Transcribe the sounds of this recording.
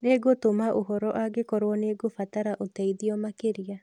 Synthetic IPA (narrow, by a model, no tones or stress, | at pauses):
neɡotomaʔoɦɔɾɔʔaɡekɔɾwɔneɡofataɾaʔotaiðiɔmakeɾia